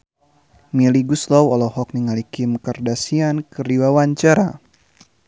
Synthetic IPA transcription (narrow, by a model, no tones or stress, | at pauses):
miliɡuslɔwɔlɔhɔk̚niŋalikimkərdasiankəɾiwawaɲt͡ʃaɾa